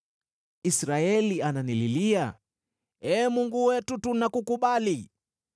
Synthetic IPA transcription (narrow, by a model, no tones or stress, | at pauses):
isɾaɛliananililia | ɛːmuŋɡuwɛtutunakukuɓali